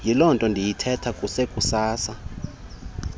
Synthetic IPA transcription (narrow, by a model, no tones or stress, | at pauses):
jilɔntʼɔndʱijitʰɛtʰakʼusekʼusaːsa